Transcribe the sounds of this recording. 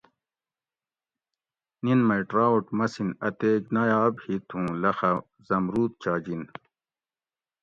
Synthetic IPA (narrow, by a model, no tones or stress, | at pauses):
ninmɐʈɾaːuʈmɐsinɐt̪eːɡnajaːbhit̪ʰũːlɐxɐ | zɐmɾuːt̪̚t͡ɕaːd͡ʑin